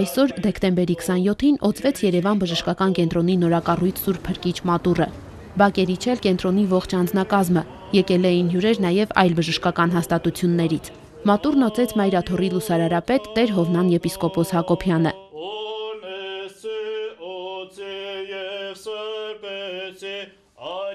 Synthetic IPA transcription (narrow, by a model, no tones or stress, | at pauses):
ɑjsɔɾd̪ɛkʰt̪ɛmbɛɾikʰə̥sɑnjɔt̪ʰinɔt͡svɛt͡sʰjɛɾɛvɑnbəʒəʃkɑkɑnkɛn̪t̪ɾɔn̪inɔɾɑkɑrujt͡sʰsuɾpʰəɾkit͡ʃʰmɑt̪urə | bɑkɛɾit͡ʃʰɛlkɛnt̪ɾɔnivɔχt͡ʃʰɑnd͡znɑkɑzmə | jɛkɛlɛjinɦjuɾɛɾnɑjɛvɑ̰jlbəʒəʃkɑkɑn̪ɦɑst̪ɑt̪ut͡sʰjunːɛɾit͡sʰ | mɑt̪urnɔt͡sɛt͡sʰmɑjɾɑt̪ʰɔrilusɑɾɑɾɑpɛt̪ːɛɾɦɔvnɑnjɛpiskɔpɔshɑkɔpʰjɑnə